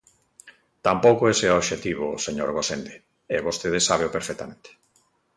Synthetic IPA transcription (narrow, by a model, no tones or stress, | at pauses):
t̪ampowkoeseoβʃet̪iβ̞oseɲo̰ɾɣosend̪e | eβost̪eðesaβ̞eopeɾfɛk̚t̪ament̪e̥